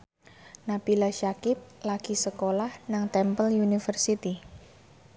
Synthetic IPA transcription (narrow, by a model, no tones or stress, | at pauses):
napilaʃakɪp̚laɡ̥isəkolahnaŋt̪ɛmpəljunifərsit̪i